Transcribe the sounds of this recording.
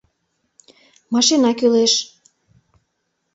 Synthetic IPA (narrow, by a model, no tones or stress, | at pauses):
mɑʃenɑkyleʃ